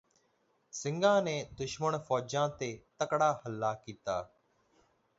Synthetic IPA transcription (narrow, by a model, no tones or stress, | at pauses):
sɪ̃ŋɡãːneːd̪ʊʃməɳfɔːd͡ʒãːt̪eːt̪əkɽaːhəlːaːkiːt̪aː